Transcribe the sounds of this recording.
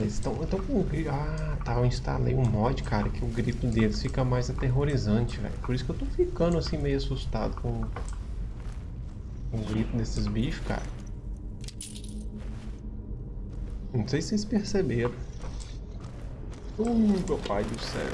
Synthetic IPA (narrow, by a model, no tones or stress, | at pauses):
ezɪ̃t̪ɐ̃w̃ẽnt̪ɐ̃w̃kõɡɾia | t̪aĩst̪a̰lḛjʊ̃mɔd͡ʒɪkaɾɐ̰kɪʊɡɾit̪ʊd̪elɪsfikɐmajzat̪eɦoɾizɐ̃t͡ʃɪvɛ̰jʊpoɾisʊ̥kewt̪owfikɐ̃d̪ʊasĩmejʊasust̪a̰d̪ʊkõ | kõʊɡɾit̪ʊd̪esɪzbifi̥ka̰ɾɐ | nɐ̃w̃sejsɪ̥sejspeɾsebeɾɐ̃w̃ | õmewpajd͡ʒiʊ̥sɛ̰ɾ